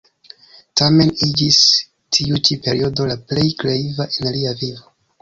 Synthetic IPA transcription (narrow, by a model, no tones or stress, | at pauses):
tame̞nid͡ʒis | tʰiut͡ʃipe̞ɾio̞do̞laplejkleivaʔenaliavivo